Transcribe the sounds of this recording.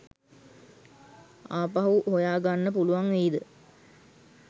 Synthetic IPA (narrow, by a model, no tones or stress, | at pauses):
aːpaɦuɦhojaːɡanːəpuluʋaŋʋeːd̪ə